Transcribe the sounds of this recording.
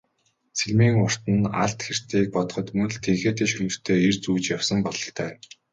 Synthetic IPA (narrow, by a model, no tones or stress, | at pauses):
t͡sʰeɮmiːŋʊr̥t̪ə̆na̰ɬt̪xer̥t̪ʰiːk̚pɔt̪ɞ̆χɞ̆t̪mɵnɮt̪ʰeŋxeːt̪ʰeːʃɵɮɵ̆r̥t̪ʰeːert͡suːt͡ɕjawsə̆mpɔɮɞ̆ɬt̪ʰœː